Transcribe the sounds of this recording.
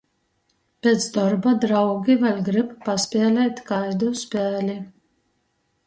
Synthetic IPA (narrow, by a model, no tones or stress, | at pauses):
pʲet̪sd̪ɔɾbad̪ɾawɡʲivalʲɡɾɨppaspʲɛːlʲɛːt̪kajd̪uspʲæːlʲi